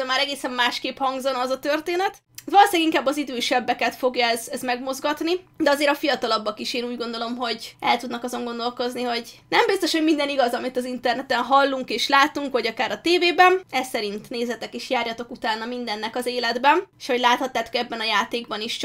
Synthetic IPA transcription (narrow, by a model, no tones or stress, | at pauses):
ømaːɾɛɡeːsɛmmaːʃkeːphɒŋɡzonɒzɒt̪ørt̪eːnɛt̪ | t̪vɒloːsiɛɡiŋkaːbːɒzid̪øːʃɛbːɛkɛt̪fo̞ɡjɒɛzɛzmɛɡmo̞zɡɒt̪nid̪ɛɒzeːɾɒfijɒt̪ɒlɒbːɒkiʃeːnuːɟɡo̞nd̪o̞lo̞mɦo̞ɟɛ̰lt̪ud̪nɒkɒzo̞ŋɡo̞nd̪o̞lko̞zniɦo̞ɟnɛmbist̪o̞ʃho̞ɟmind̪ɛniɡɒzɒmit̪ɒzint̪ɛrnɛt̪ɛnɦɒlːuŋkeːʃlaːt̪uŋkʋɒɟɒkaːɾɒt̪eːveːbɛnɛsɛɾint̪neːzɛt̪ɛkiʃjaːrjɒt̪o̞kut̪aːnːɒmind̪ɛnːɛkɒzeːlɛd̪bɛneʃho̞ɟlaːt̪hɒt̪ːaːt̪o̞kɛbːɛnɒjaːt̪eːɡbɒniʃt͡ʃ